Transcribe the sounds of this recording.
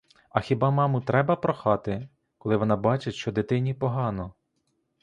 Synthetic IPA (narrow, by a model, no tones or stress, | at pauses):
ɐxʲibɑmɑmʊt̪ɾɛbɐpɾɔxɑt̪ɪ | kɔlˠɪʋɔnɑbɑt͡ʃɪʃt͡ʃɔd̪et̪ɪnʲipɔɦɑnɔ